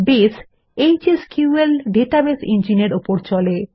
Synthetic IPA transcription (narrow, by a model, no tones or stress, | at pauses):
bes | ejd͡ʑeskjuelɖeʈabesind͡ʑineɾopoɾt͡ɕɔle